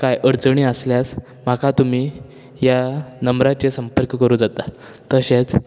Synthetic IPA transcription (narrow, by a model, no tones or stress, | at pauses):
kajʔəɾt͡səɳ̃iəsljas | makat̪um̤iː | janəmɾat͡ɕesəmpəɾkkəɾuːd͡zat̪a | t̪əɕet͡s